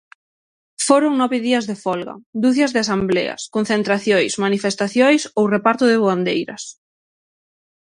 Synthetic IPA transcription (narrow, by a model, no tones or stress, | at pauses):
foɾʊŋnɔβɪðiɐzðefɔlɣɐ̰d̪uθjɐzðɪasamblɛ̰ɐ̰skon̟θent̪ɾaθjojsmanifest̪aθjojsowrepaɾt̪ʊðɪβoand̪ejɾɐ̰s